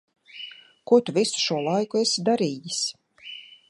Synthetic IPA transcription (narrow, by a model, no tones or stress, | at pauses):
kuɔt̪uvisu̥ʃuɔlˠajkuesid̪aɾiːjisʲ